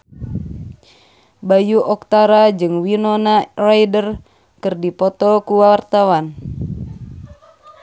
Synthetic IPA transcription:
bajuʔɔk̚t̪aɾad͡ʒɨŋwinɔnarajdər | kɨrdipɔt̪ɔkuwawart̪awan

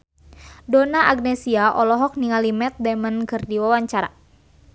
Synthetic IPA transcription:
dɔnaʔaɡ̚nɛsiaʔɔlɔɦɔk̚niŋalimɛt̪̚dɛmənkɨrdiwawaɲt͡ʃaɾa̰

